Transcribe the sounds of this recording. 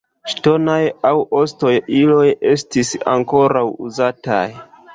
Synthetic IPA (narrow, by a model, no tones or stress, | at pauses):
ʃto̞najawo̞sto̞jilo̞je̞stisa̰ŋko̞ɾawuzata̰j